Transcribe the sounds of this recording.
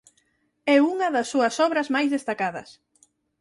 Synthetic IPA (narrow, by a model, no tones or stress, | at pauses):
ɛuŋɐðɐsːuɐsɔβɾɐzmajzðest̪akaðɐ̰s